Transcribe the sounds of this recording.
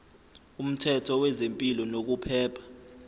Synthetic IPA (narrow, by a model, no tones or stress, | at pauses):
um̩tʰɛtʰɔwɛzempʼilɔnok̬upʰɛːpʰḁ